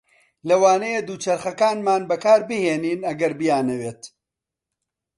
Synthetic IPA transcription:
lɐwaːnɐjed̪uːt͡ʃɐɾχɐkaːnmaːnbɐkaːɾbɨheːniːnɐɡɐɾbɨjaːnɐweːt̪

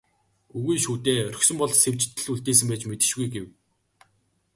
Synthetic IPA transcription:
uɣujʃuːt̪eːœrɵ̆xsɵ̆mpɔɮsew̥ʲt͡ɕt̪ɘ̆ɮuɮt̪eːs̬ɘ̆mpæːt͡ɕmet̪ɘ̆ʃɣujɡew

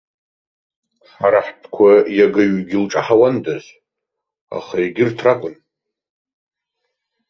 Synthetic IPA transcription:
ħaɾaħpʰkʷʰajaɡaɥɡʲɪlʈ͡ʂʼaħawandazʷ | a̰χajaɡʲɪrtʰrakʷʼʊn

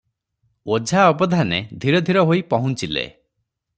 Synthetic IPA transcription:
od͡ʒʱaɔbɔd̪ʱaned̪ʱiɾɔd̪ʱiɾɔɦoipɔɦũnt͡ʃilḛ

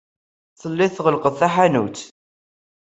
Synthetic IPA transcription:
θəlːɪθʁəlqəθθæħanṵt̪

